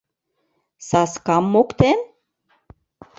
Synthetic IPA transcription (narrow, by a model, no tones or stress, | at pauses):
sɑskɑmːokt̪en